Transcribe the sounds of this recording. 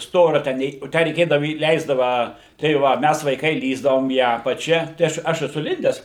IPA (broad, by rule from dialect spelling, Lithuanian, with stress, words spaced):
ˈstoːrʲɛ tʲæː ˈnʲɛɪ oː ˈtʲæː rʲɛɪˈkʲeːdɐʋʊ iːˈlʲɛɪzdɐʋɐ tɐɪ ˈʋɐ ˈmʲæs ʋɐɪˈkɐɪ ˈlʲiːzdɐʋoːm iː ˈɑːpɐt͡ʃʲɛ tɐɪ ˈɐʃ ˈɐʃ ɛˈsʊ ˈlʲɪnʲdʲɛs